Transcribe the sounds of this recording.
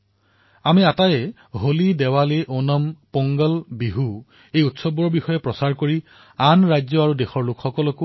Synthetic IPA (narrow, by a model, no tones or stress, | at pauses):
amiatajɛ | ɦolidɛwaleʔonɔmpɔŋɡɔlbiɦu | ejutsɔbɔɹbixɔjɛpɹɔsaɹkoɹi | anɹajzɔaɹudexɔɹlokxɔkɔlɔkʊ